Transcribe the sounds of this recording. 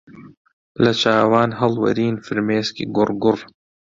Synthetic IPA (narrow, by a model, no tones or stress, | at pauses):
lɐt͡ʃaːwaːnɦɐlwɐ̰ɾiːnfɨɾmeːskḭɡʊrɡʊr